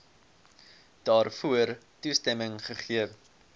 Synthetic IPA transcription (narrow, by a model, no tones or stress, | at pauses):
d̥ɑːrfuər | tustɛməŋχəχiəv